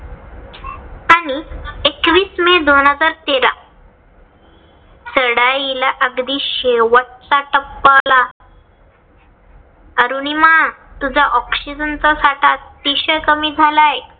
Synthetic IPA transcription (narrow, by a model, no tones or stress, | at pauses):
aɽ̃iekʋiːsmed̪onɦəd͡zaɾt̪eɾa̰ | səɽajilaʔəɡd̪iːɕeʋəʈ̚t͡saʈəpːala | əɾuñimat̪ud͡zʱaʔɔksid͡zənt͡sasaʈʰat̪̚piɕəkəmiːd͡zʱalae